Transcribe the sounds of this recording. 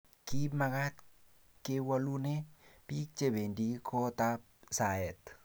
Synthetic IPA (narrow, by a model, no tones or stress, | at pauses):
kimakat̪ | kewalunepik̚t͡ʃebendikʰɔt̪apsaɛt̪